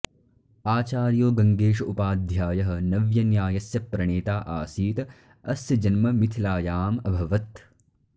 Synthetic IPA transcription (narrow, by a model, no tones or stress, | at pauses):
aːt͡ʃaːɾjoːɡɐŋɡeːʃɐupaːd̪ʱjaːjɐɦɐ̆nɐʋjɐnjaːjɐsjɐpɾɐɳeːt̪aːʔaːsiːt̪ɐ | ɐsjɐd͡ʒɐnmɐmit̪ʰilaːjaːmɐbʱɐʋɐt̪